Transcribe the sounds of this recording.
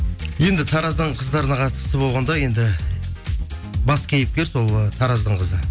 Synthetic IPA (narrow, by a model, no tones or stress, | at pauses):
je̞nd̪ɪt̪ʰɑɾɑzd̪əɴqʰəzd̪ɑɾənɑqʰɑt̪ə̥səbo̞lˠʁɑnd̪ɑje̞nd̪ɪ | bɑskʲʰejɪp̚kʲe̞ɾso̞lˠt̪ʰɑɾɑzd̪əɴqʰəzə